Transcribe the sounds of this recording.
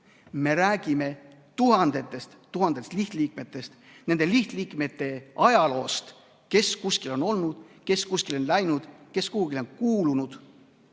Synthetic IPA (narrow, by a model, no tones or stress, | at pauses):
me̞ɾæːɡ̥ime̞ | t̪uɦɑnd̪̥e̞t̪ːˑe̞st̪t̪uɦɑnd̪̥e̞st̪liht̪liːk̚me̞t̪ːˑe̞st̪ | ne̞nd̪̥e̞liht̪liːkme̞t̪ːˑe̞ɑjɑlo̞ːst̪ | ke̞skuskilo̞no̞lnud̪̥ke̞skuskilo̞nlæjnud̪̥ke̞skuhuɡilo̞nkuːlunud̪̥